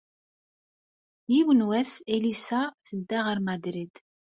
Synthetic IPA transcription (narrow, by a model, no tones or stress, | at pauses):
jiwənwæselisaθəd̪ːæʁəɾmæd̪ɾid̪̥